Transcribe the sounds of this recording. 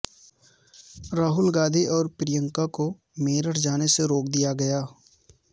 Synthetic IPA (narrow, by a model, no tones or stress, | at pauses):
ɾaːɦʊlɡaːd̪ʱiʔɔːɾpɾɪjə̃ŋkako | meːɾəʈd͡ʒaːneseɾoːkd̪ijaɡɐjaː